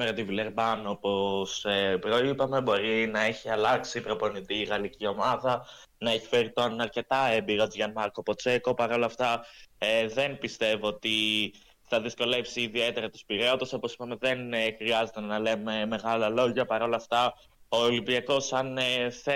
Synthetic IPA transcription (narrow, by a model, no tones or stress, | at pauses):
meɾɐt̪ivileɾbɐnopo̞sepɾo̞ipɐme̞bo̞ɾinɐe̞çiɐlɐksipɾo̞po̞nit̪iɣɐlicio̞mɐðɐ | nɐe̞çi̥fe̞ɾit̪onɐɾce̞t̪ɐebiɾot͡sʝɐnmɐɾko̞po̞t͡se̞ko̞pɐɾo̞lɐft̪ɐ | ðe̞npist̪e̞voot̪i | θɐðisko̞le̞psiːðie̞t̪e̞ɾɐt̪u̥spiɾeot̪oso̞posi̥pɐme̞ðe̞nxɾiɐze̞t̪enɐle̞me̞me̞ɣɐlɐlo̞ʝɐpɐɾo̞lɐft̪ɐ | olimbiɐko̞sɐnθe